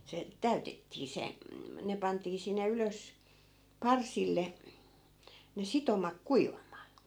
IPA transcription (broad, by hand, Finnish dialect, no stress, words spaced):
se tæytetːiː se ne pɑntiː sinːe yløs pɑrsilːe ne sitomɑk kuiʋɑmˑɑː